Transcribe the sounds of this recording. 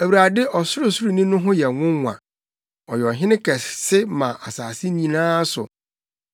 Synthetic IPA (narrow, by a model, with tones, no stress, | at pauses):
æ˨wɾa˨dɪ˦ʔɔ˨sʊ˦ɾʊ˨sʊ˦ɾʊ˨nĩ˦nʊ̃˦ɦʊ̃˦jɛ˨ŋʊ̃˦˨ã̰˨ | ɔ˨jɛ˨ɔ˨ɦɪ̃˦nɪ̃˦kʰɛ˨ssɪ˦mã˨ʔa˨saː˨sɪ˦nĩ˨˦˨nãː˦sʊ̰˨